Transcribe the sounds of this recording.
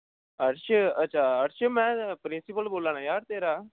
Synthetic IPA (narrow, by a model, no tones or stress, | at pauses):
əɾʃəətːʃʰaːəɾʃəmɛ̃ːpɾɪnsɪpəlboːlãːnaːjaːɾt̪eːɾaː